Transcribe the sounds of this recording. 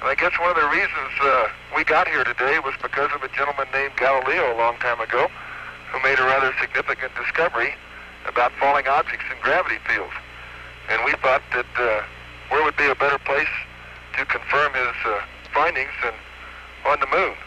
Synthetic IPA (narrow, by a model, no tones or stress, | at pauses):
ə̃naɪɡɛswʌ̃nʌvðɨɹizɨ̃nz | wiɡɑt̚hiɹɾɨdeɪwʌzbɨkʰʌzʌvɨd͡ʒɛ̃ñl̩ˠmə̃nːẽɪ̃mɡælˠəlioʊəlɔ̃ŋtʰãɪ̃mɨɡoʊhumeɪɾɨɹæðə˞sɨɡ̚nɪfɨkɨ̃nd̥ɨskʌvə˞i | ɨ̰baʊtfɔlˠɪ̃ŋɑb̚d͡ʒɨk̚tsɨ̃nɡɹævɨɾifilˠdz̥ | ɨ̃nwiθɔt̪̚ðɨt̚ | ðə˞wəd̚biɨbɛɾə˞pʰl̥eɪs | tʰɨkʰɨ̃ɱfɜ̃˞mɪz̥ | fãɪ̃ndɪ̃ŋzɨ̃n | ə̃nðəmũn